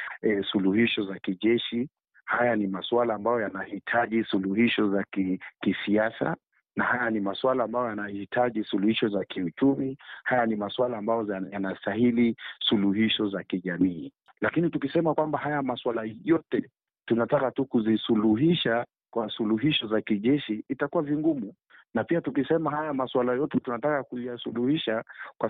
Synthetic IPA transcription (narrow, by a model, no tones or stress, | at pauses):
ɛsuluhiʃɔzakiʄɛʃi | hajanimaswalaːmbajɔjanahitʰaʄisuluhiʃɔzakkisiasa̰ | nahajanimaswalaːmbajɔjanahitʰaʄisuluhiʃɔzakʰiut͡ʃumihajanimaswalaːmbajɔjanastahilisuluɦiʃɔzakiʄamiː | lakinitukisɛmakwambahajamaswalajɔtɛ | tunatakatukuzisuluɦiʃa | kwasuluɦiʃɔzakiʄɛʃiːtakuwaviŋɡumu | napiatukisɛmahajamaswalajɔtɛtunatakakujasuluhiʃakwa